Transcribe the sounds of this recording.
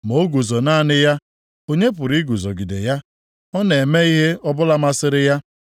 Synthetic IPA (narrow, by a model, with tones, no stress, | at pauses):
mo˦ɡu˨zɔ˨na˦nɪ˦ja˦ | o˦ɲe˦p̬ʊ˨ɾi˦ɡu˨zɔ˨ɡi˨dḛ˨ja˦ | ɔ˦ne˨me˦i˦ɦe˦ɔ˦bʊ˦la˦ma˦sɪ˦ɾɪ˦ja˦